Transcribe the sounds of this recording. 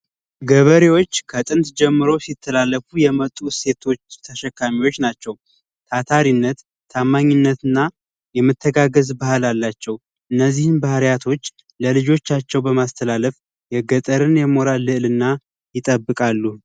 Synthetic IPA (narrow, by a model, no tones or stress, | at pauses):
ɡəβəɾewo̞t͡ʃːkʰət̪ʼɨnt̪d͡ʒɛmːɨɾo̞sit̪ʰːəlalːəfujɛmət̪ʼːuse̞t̪ʰo̞t͡ʃt̪ʰəʃɛkːamiwo̞t͡ʃːnat͡ʃːɛw | t̪ʰat̪ʰaɾinːət̪ʰː | amːaɲːɪnːət̪ɨnːa | jɛmːɨt̪ʰːəɡaɡəzbahalalːat͡ʃːɛw | ʔɨnːəzːihɨnbahəɾjat̪ʰo̞t͡ʃː | ləlɨd͡ʒo̞t͡ʃːat͡ʃːɛwbəmast̪ʰəlaləf | jɛɡət̪ʼəɾɨnjɛmo̞ɾalːɨʔlɨnːa | jɪt̪ʼəbːɨkʼalːu